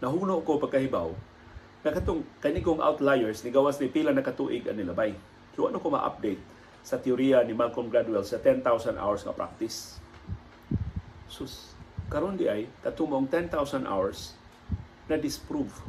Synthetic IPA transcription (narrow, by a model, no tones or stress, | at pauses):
nɐɦuːnoʔkopaɡ̚kahibaw | nɐkat̪oŋkɐnikoŋʔa̰wt̪lajɛɹsnɪɡawasnipilanɐkɐt̪uːʔɪɡɐ̰nɪlabaj | hʊwa̰ʔnokoma̰ʔa̰p̚d̪ejt̪̚ | sɐt̪ɪʊɾianimalkonɡɾad̪wɛlsɐt̪ɛnt̪awsand̪ʔa̰wɛɹsŋɐ̰pɾa̰k̚t̪ɪs | suskɐɾond̪ɪʔajt̪at̪umoʔoŋt̪ɛnt̪awsand̪ʔa̰wɛɹs | nɐd̪ɪspɾuv